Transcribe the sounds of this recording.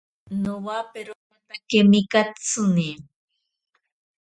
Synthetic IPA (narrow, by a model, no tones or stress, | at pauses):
nowapeɾokat̪akemikat͡sɨni